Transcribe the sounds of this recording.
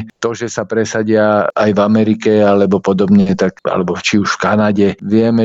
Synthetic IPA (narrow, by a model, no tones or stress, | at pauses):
t̪ɔʒɛsapɾɛsaɟɪaajvamɛɾikɛalɛbɔpɔd̪ɔbɲɛt̪ak̚a̰lɛbɔt͡ʃiuʃfkanaɟɛʋɪɛmɛ